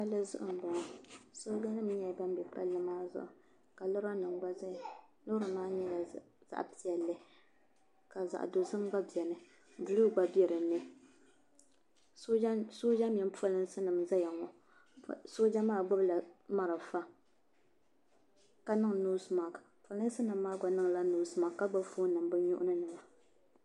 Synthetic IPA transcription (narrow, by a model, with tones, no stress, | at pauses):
ka˦lːɨ˦zʊ̰˦ʔʊ˨m̩˨bɔ˨ŋɔ˨so˦d͡ʒa˦nɨ˦m˦ɲɛ˨ba˦m˦bɛ˨pa̰˦lːɨ˦maː˦zʊ̰˨ʔʊ˨ | ka˨lʊ˦ɾa˦nɨ˨ŋɡ͡ba˦za˦ja˨lo˦ɾa˨maː˦ɲɛ˦la˨ | z̥a̰˦ʔpi˨ɛ˨lːɨ˦ | ka˨za̰˨ʔdo˨zɨ˦mɡ͡ba˦bi˨ɛ˨nɨ˨ | bu˨lu˦ɡ͡ba˦bɛ˨ɾɨ˨nːɨ˦ | so˦ʒa˦mjɛ˨˦m˦po˦lɨ˦n˦sɨ˦nɨ˨mza˦ja˨ŋɔ˨ | so˦d͡ʒa˦maː˦˨ɡ͡bʊ˦bla˨ma˨ɾa˨fa˦ | ka˦nɨ˦ŋ˨nu˦sma˨kpa˨lɨ˦n˦sɨ˦nɨ˨mː˦aː˦ɡa˨nɨ˦ŋ˨la˦nu˨˦sma˨kkːa˦ɡ͡ba˦fo˦nɨ˨mbɨ˦ɲʊ˦ʔʊ̰˦nɨ˦nɨ˨ŋa˨